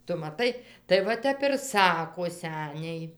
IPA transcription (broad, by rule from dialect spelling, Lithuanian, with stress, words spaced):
ˈtʊ mɐˈtɐɪ tɐɪ ʋɐ ˈtʲɛp ɪr ˈsɑːkoː ˈsʲæːnʲɛɪ